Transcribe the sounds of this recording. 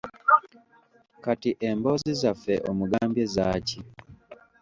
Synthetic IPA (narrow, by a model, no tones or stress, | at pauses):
katiʔembo̞zizafeʔomuɡaːmbjezaːci